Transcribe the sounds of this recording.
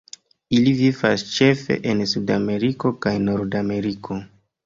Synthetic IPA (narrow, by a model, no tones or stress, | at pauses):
ilivivast͡ʃe̞fe̞̰ʔensudame̞ɾiko̞kajno̞ɾdame̞ɾikʰo̞